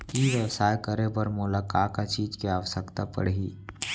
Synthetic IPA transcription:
iʋəsaːjkəɾebəɾmʊlakaːkat͡ʃiːd͡ʒkeaːʋəsəkt̪apə̰ɽɦiː

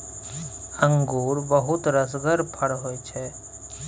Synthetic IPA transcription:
ə̃ŋɡuːɾbəɦʊt̪ɾəsɡəɾpʰəɽɦoːet͡ʃʰɛ

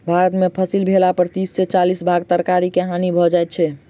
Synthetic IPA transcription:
bʱaɾət̪mepʰəsilbʱelapəɾt̪isːet͡ʃalisbʱaɡ̚t̪əɾkaɾikeɦanibʱɔd͡ʒajt̪̚t͡ʃʰɛ

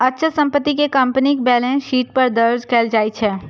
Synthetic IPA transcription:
ɐtːʃʰəsɐ̃mpət̪ːikekɐ̃mpnikbɛːlẽʃiːʈpɐɾd̪ɐɾd͡ʒkeːld͡ʒaːit͡ʃʰɛː

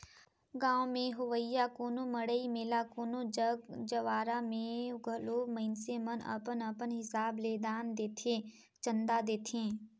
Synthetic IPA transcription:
ɡãːwmẽɦʊʋəjːakoːnoməɽəimeːlakoːnod͡ʒəɡd͡ʒəʋaːɾamẽɡʱəloːmə̃ɪnsemənə̰pənəpənɦɪsaːbleːd̪aːnd̪eːt̪ʰẽ | t͡ʃə̃nd̪ad̪eːt̪ʰẽː

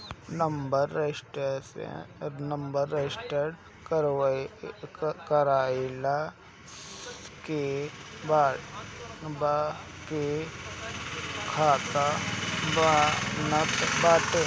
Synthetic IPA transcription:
nəmbəɾesʈ | nəmbəɾːesʈəɖ | kɾ | kəɾaːila | keba | bake | kʰaːt̪abnabaːt̪e

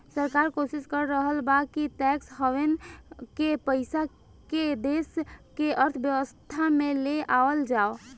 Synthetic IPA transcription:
səɾkaɾkosiskəɾːəɦəlbakitɛksɦəʋenkepəɪsa | ked̪eskeəɾt̪ʰbjəʋəst̪ʰameleʔaəld͡ʒao

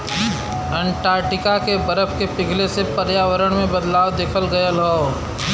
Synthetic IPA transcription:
ə̃ɳʈaːɾʈɪkakebəɾəpʰkepɪɡʱlesepəɾjaːʋəɾəɽ̃mẽbəd̪laːwd̪eːkʰəlɡəjəlɦoː

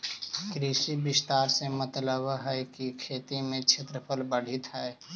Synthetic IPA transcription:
kɾiʃibɪst̪aːɾsemət̪ləbɦɛkikʰeːt̪imẽt͡ʃʰet̪ɾəpʰəlbəɽ̤ɪt̪ɦɛː

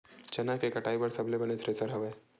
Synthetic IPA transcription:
t͡ʃɐnakekɐʈaːibɐɾsɐblebɐnet̪ʰɾesəɾɦɐʋeː

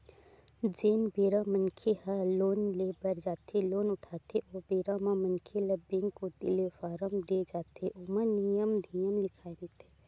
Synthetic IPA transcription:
d͡ʒeːnbeːɾamə̃nkʰehəloːnlebɐɾd͡ʒaːt̪ʰeloːnʊʈʰaːt̪ʰeʔɔːbeːɾamãmə̃nkʰelɐbːɪ̃ŋɡkod̪ɪlefaːɾəmd̪ed͡ʒaːt̪ʰeʔʊmənijəmnijəmlɪkʰaːeɾt̪ʰe̥ː

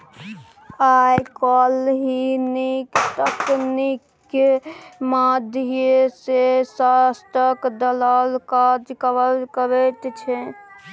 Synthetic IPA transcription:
ajkɔlɦinikt̪əknikː | mad̪ʱesesast̪əkd̪əlalkad͡ʒkəʋəlkəɾet̪t͡ʃʰɛ

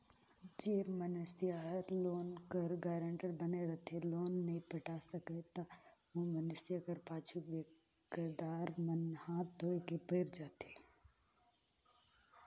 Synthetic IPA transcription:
d͡ʒeːmənsijaɾloːnkəɾɡaːɾə̃ɳʈəɾbəneɾɐt̪ʰeloːnːɐɦĩpɐʈaːsəket̪aʋõmənɪsijakəɾpaːt͡ʃʰuʋeː | kd̪aːɾmənhaːt̪̚d̪oːekepeːɾd͡ʒaːt̪eː

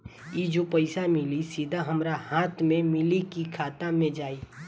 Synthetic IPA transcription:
id͡ʒopəɪsamɪlisid̪ʱaɦɐmɾahaːt̪ʰmẽmɪlikikʰaːt̪amẽd͡ʒaːiː

